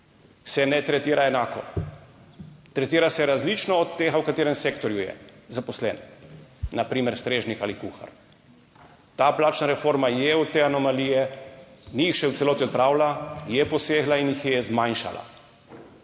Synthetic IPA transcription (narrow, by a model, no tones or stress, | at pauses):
sɛnɛt̪ɾɛt̪iːɾaɛnaːkɔ̰ | t̪ɾɛt̪iːɾasɛɾazlit͡ʃnɔɔt̪ːeːɣawkat̪eːɾɛmsekt̪ɔɾjujɛ̰zapɔslɛ̰n | napɾiːmɛɾst̪ɾeːʒnikalikuxa̰ɾ | t̪aːplaːt͡ʃnaɾɛfoɾmajɛwt̪eːanɔmalijɛ | niːxʃɛwt̪sɛloːt̪iɔt̪̚pɾaːwlajɛpɔseːɡlainjixjɛzmajnʃa̰la̰